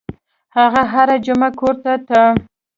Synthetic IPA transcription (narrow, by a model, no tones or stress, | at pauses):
haɣaɦaɾad͡ʒʊmakoɾt̪at̪a